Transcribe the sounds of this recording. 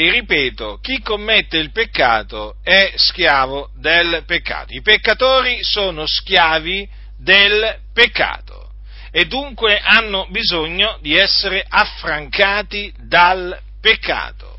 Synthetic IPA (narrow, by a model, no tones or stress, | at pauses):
eripeːt̪ok̟ikːomːet̪ːeilpekːa̰ːt̪oɛskjaːʋod̪elpekːa̰ːt̪oipekːat̪oːɾisoːnoskjaːvi | d̪el | pekːa̰ːt̪o̰ | ed̪ːuŋkweʔanːobizoɲːod̪iɛsːeɾeʔafɾaŋkaːt̪i | d̪al | pekːa̰ːt̪o̰